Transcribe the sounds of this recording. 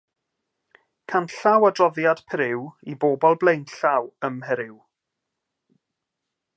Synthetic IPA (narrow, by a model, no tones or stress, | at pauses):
kʰanɬawadrɔðjad̥pʰɾɪwiboːbɔlˠblˠejnɬawəmɦɛɾɪw